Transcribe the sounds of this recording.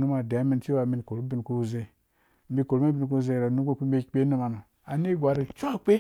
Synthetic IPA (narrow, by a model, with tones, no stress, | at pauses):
nu˦ma˨da˨˦mi˦nti˦wa˨mi˨nko˨ɾu˦bi˦nku˦˨ze˦ | m̩˦bi˦ko˨ɾma˦bi˦n˨ku˦ze˦˨ɾo˨nu˦ko˦k͡pi˦be˦˨k͡pe˦nu˦ma˨nu˨ | a˨ni˦ɡʷa˨ɾi˨t͡ʃʷa˦k͡pe˦